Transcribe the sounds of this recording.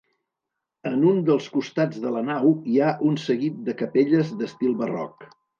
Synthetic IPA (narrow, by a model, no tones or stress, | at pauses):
ənund̪əlˠskust̪ad͡zðələnawiaʔunsəɣit̪̚d̪əkəpeʎəzd̪əst̪ilˠβərɔ̰k